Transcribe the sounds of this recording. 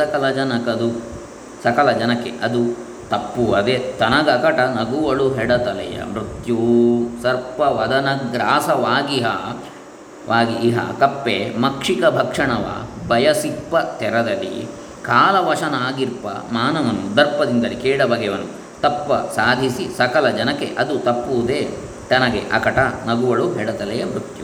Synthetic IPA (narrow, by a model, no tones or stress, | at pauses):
ɐkɐlɐd͡ʒɐnɐkɐd̪u | sɐkɐlɐd͡ʒɐnɐkːḛʔɐd̪u | t̪ɐpːuɐd̪et̪ɐnɐɡɐkɐʈɐnɐɡuʋɐɭuɦɛɽɐt̪ɐlɐ̰jɐ̰mɾut̪jusɐɾpɐʋɐd̪ɐnɐɡɾaːsɐʋaːɡiɦɐ | ʋʔaːɡiːɦɐ̰kɐpːemɐkʂikɐbʱɐkʂɐɳɐʋɐ̰bʱɐjɐsipːɐt̪ɛɾɐd̪ɐlḭ | kaːlɐʋɐʂɐnaːɡiɾpɐ̰maːnɐʋɐnud̪ɐɾpːɐd̪ind̪ɐlikɛːɽɐbɐɡɛʋɐnṵ | t̪ɐpːɐsaːd̪ʱisisɐkɐlɐd͡ʒɐnɐkḛʔɐd̪ut̪ɐpːuʋud̪eː | t̪ɐnɐɡḛʔɐ̰kɐʈɐnɐɡuʋɐɭuɦɛɽɐt̪ɐlɛjɐmɾut̪ju